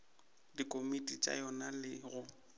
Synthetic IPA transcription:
dikʼomitʼit͡ʃʼa̰jɔnalɪɣʊ

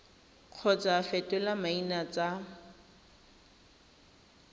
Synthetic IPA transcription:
q͡χʰɔt͡sʼafɛtʼɛlamainat͡sa

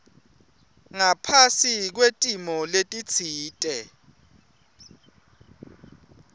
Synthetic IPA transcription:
ŋapʰasik̬wetʼimɔletʼit͡sʰiːtʼɛ

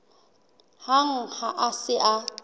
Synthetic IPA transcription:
haŋ̩haʔasɪʔa

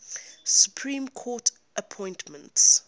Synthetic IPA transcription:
sjupʰɹĩːmkʰɔt | ʔəpʰɔ̃ɪ̃ntmə̃nts

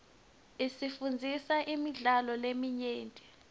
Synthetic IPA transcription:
isifund͡zʱisaʔimiɮalɔlemiɲeːntʼi̥

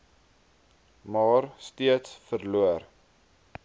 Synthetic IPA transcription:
mɑːrstiətsfərluər

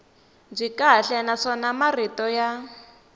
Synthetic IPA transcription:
b͡ʐikaɬɛnaʂɔnamaritɔja

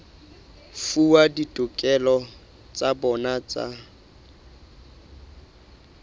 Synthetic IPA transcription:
fuwaditʼʊkʼɛlɔ | t͡sʼabɔnat͡sʼa̰

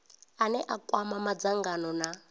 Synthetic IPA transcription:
anɛʔakʼwamamad͡zaŋɡanɔna

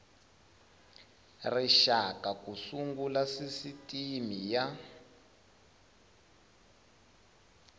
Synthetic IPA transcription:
riʃakakusuŋɡulasisitʼimija

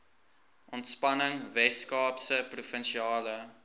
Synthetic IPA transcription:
ʔɔntspɐnəŋvɛskɑːpsəprufənʃiɑːlə

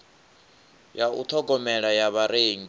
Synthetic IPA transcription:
jaṵt̪ʰɔɡɔmɛɺajaβaɾeːŋ

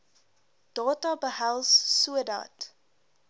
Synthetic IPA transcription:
d̥ɑːtɑbəɦælˠsːuəda̰ːt

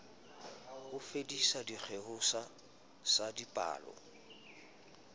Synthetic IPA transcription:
hʊfedisadik͡xʰehʊsa | sadipʼa̰ːlɔ̰

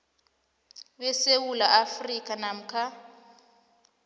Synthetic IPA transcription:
βɛsewulaʔafrikʼanam̩kʰa

